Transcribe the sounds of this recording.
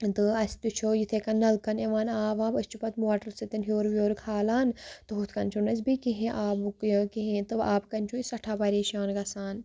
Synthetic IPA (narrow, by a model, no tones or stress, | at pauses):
t̪ɨɐsʲt̪ut͡ʃʰoːjit̪ʰekɐnːɐlkɐneʋaːnaːʋaːbɐsʲt͡ʃʰupɐt̪moːʈɐɾsit̪inɦoːɾʋjoːɾkʰaːlaːnt̪ɨɦut̪ʰkɐnt͡ʃʰunɐsbikiɦẽʔaːbkiɦẽt̪ɨaːbkɐnʲt͡ʃʰuisɐʈʰaːpɐɾeːʃaːnɡɐsaːn